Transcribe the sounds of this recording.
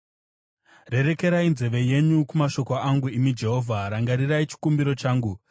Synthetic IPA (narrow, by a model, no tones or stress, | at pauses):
re̞ɾe̞ke̞ɾainze̞ʋe̞je̞ɲukumaʃo̞koaŋɡuimid͡ʒe̞ɦo̞vʱaɾaŋɡaɾirait͡ʃi̥kumbiɾo̞t͡ʃaːŋɡu